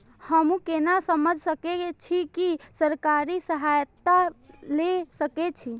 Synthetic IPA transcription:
həmũkenasəməd͡ʒʱsəket͡ʃʰikisəɾkaɾisəɦajt̪ːalesəket͡ʃʰi

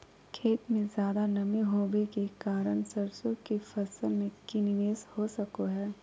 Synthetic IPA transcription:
kʰeːt̪mẽzjaːd̪anɐmẽɦoːʋekekaːɾəɳ̃sɐɾsõkifɐsəlmẽkinɪʋeːshosɐkoɦɛː

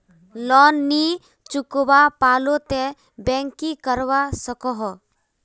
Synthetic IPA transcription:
lɔnːi | t͡ʃʊkwapaːlot̪e | bɛ̃ːŋkikəɾwasəkɔɦɔ

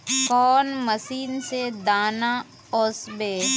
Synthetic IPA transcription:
kɔːnməsiːnsed̪aːna | ɔːsbeː

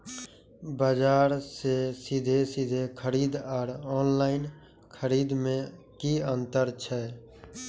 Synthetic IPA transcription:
bəd͡ʒaːɾsesid̪ʱesid̪ʱekʰəɾiːd̪aɾɔːnlaːɪn | kʰəɾiːd̪mẽ | kiənt̪əɾt͡ʃʰɛ

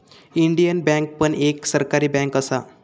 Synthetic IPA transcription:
iɳɖijənbɛ̃ŋk̚pəɳeksəɾkaɾiːbɛ̃ŋkəsa

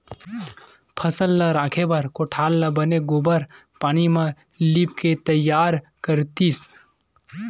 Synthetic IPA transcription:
pʰəsəlːəɾaːkʰebəɾkoʈʰaːlːəbəneɡobəɾ | paːnimẽ | lipket̪əjːaːɾ | kəɾt̪is

